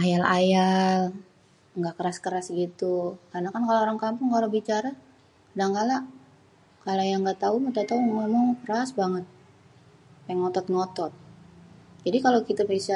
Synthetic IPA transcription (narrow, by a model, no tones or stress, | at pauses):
ʔajalajal | ŋɡaʔkəɾaskəɾasɡit̪ukarnakankalooɾaŋkampʊŋkalobit͡ʃaɾa | daŋkala | kalajaŋɡat̪aumadat̪aumamaŋkəɾasbaŋət̪̚ | paŋɔt̪ɔt̪̚ŋɔt̪ɔt̪̚ | d͡ʒadikalokit̪apisa